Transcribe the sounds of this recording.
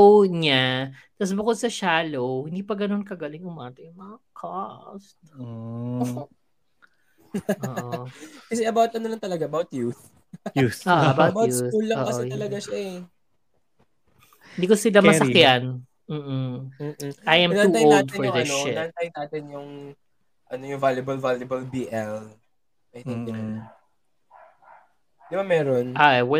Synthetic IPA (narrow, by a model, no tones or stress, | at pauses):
owɲat̪ɐs̬bʊkod̪̚sɐʃaːlowhɪnd̪iːpɐɡɐno̞nkɐɡɐlɪŋʊmaːt̪ɐjʊŋmɐŋɐkʰɔst̪ː | ʔːʔookɐs̬ɛʔɐbawt̪ɐnolɐnt̪ɐlɐɡaʔɐbawt̪̚juθ | uoːʔɐbawɐbawjuulːɐo̰ːʔkɐsɛj̪ɐlɐɡaʃaʔɛ | hhɪnd̪iːkosɪlamɐsɐkjan | m̩ːʔ̩m̩ːʔajɐmnauːt̪ajolad̪fnɔɹd̪ɛnoaaɐnt̪ajnaːt̪ɪnjʊŋ | ʔɐnojʊŋvaljɐbɐlvalɐbɐlbiːʔɛl | ɐjt̪ɪŋd̪ɪɐ | d̪ɪbamɛɾonʔaʔɛwɛ